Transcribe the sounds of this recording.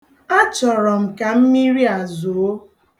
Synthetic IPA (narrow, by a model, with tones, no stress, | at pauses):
a˦t͡ʃɔ˨ɾɔ˨m̩˨ka˨m̩˦mi˦ɾi˦a˨zo˨o˦